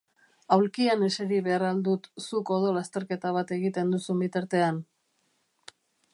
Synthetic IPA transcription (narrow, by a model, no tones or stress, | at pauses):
awlkiane̞seɾiβe̞arald̪ut̪suko̞ð̞o̞last̪e̞ɾke̞t̪aβ̞at̪e̞ɣit̪e̞nd̪usumbit̪aɾt̪e̞an